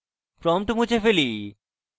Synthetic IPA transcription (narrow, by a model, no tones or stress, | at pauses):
pɾɔmʈumut͡ɕʰefeli